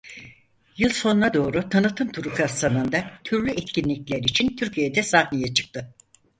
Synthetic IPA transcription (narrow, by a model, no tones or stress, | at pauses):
jɯlˠso̞nunad̪o̞ːɾut̪ʰanɯt̪ʰɯmt̪ʰuɾukʰast̪anɯnd̪at̪ʰyɾlʲyʔɛt̪cʰinlʲiclʲæɾit͡ʃʰint̪ʰyɾcʰijed̪ɛsahnejɛt͡ʃʰɯ̥k̚t̪ʰɯ